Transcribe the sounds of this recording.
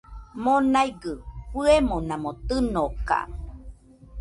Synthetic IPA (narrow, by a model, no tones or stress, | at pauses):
monajɡɯɸɨemonãmot̪ɨnoka̰